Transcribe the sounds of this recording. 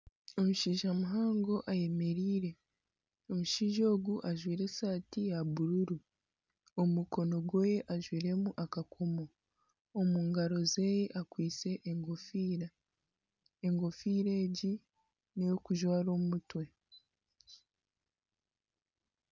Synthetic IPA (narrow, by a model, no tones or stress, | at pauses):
o̞muʃiːʒamuɦaːŋɡo̞ʔaje̞me̞ɾiːɾe̞ | omuʃiːʒo̞ːɡuʔaʒwiːɾe̞saːtijaβuɾuɾu | omuko̞no̞ɡo̞je̞ʔaʒwiːɾe̞muʔakakʰo̞mo̞ː | muːŋɡaɾo̞ze̞ːjeʔakwiːt͡se̞ʔːŋɡofiːɾa | eŋɡo̞fiːɾe̞ːɟi | nejo̞kuʒwaːɾo̞ːmutwe̞